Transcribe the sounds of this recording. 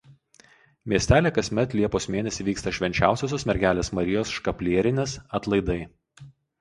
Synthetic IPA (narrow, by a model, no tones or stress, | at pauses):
mʲiɛsʲt̪ʲæːlʲeːkɐsʲmʲɛt̪lʲiɛpoːsmʲeːnʲɛsʲɪʋʲiːkst̪ɐʃʲʋʲɛnʲt͡ʃʲæˑʊsʲoːs̬ʲoːsmʲɛɾʲɡʲæːlʲeːsmɐɾʲɪjoːsʃkɐpʲlʲiɛɾʲɪnʲeːsɐt̪lˠɐɪd̪ɐɪ